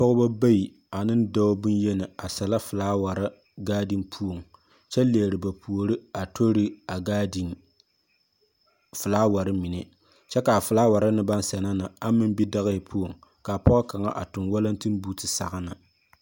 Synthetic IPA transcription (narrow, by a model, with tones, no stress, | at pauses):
pɔ˦ʊ˦ba˦ba˦ji˨ | a˨nɨ˦n˦da˦bʊ˦njɛ˦nɨ˨a˨sa˨la˦fɨ˨laː˦wa˨ɾa˦ | ɡaː˦dɨ˦npʰu˦o˨ŋ | t͡ʃɛ˦le˨ɾɨ˨ba˨pʰu˨o˨ɾɨ˦a˨tʰo˦ɾɨ˦a˨ɡa˦d | fɨ˨laː˦wa˨ɾɨ˦mi˨nɛ˦ | t͡ʃɛ˦ka˨fɨ˨laː˦wa˨ɾa˦nɨ˦ba˦n˦sɛ˨na˦na˨a˦mɨ˦m˦bi˦da˦ɣɨ˦ɪ˨pʰu˦o˨ŋka˨pɔ˦ʔʊ˦ka˨ŋa̰˦ʔa̰˨tʊ˨nwa˦la˦n˦tɨ˦n˦buː˦tɨ˨sa̰˨ɣa˦na˨